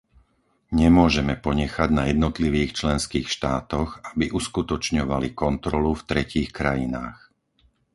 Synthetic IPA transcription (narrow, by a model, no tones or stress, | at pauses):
ɲɛmʊɔʒɛmɛpɔɲɛxaɟnajɛd̪nɔt̪liʋiːxt͡ʃlɛnskiːxʃt̪aːt̪ɔɣabiʔuskut̪ɔt͡ʃɲɔʋalikɔnt̪ɾɔluft̪ɾɛciːxkɾajinaːx